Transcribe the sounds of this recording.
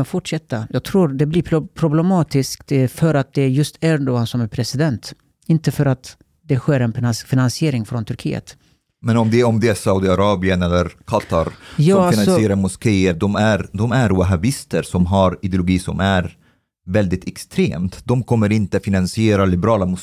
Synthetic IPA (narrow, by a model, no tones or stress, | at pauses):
fʊʈʂɛt̪ʰːajɑːɡ̚t̪ʰɾuːɾd̪ɛblɪpʰɾʊblɛmɑːt̪ɪskt̪fœɾat̪̚d̪ɛjɵst̪ʰænuansɔmæɾpʰɾɛsɪd̪ɛnt̪ | ɪnt̪əfœɾat̪ | d̪ɛɧeːɾɛnfɪnansɪeːɾɪŋfɾɔnt̪ʰɵɾkʰḭːə̰t̪ | mɛnɔmd̪ɛɔmd̪ɛæsawd̪ɪaɾɑːbɪənɛlːəɾkʰat̪a̰ɾjɑːalnanssɔɪeːɾaɾmʊskejət̪̚d̪ɔmæɾd̪ɔmæɾwaɦabɪst̪əɾsɔmɦaɾɪd̪ɪʊlʊɡiːsɔ̰mæɾ | vɛld̪ɪt̪ʰɛkst̪ʰɾḛːmt̪d̪ɔmkʰɔmːəɾɪnt̪əfɪnansɪeːɾalɪbɛɾɑːlamʊ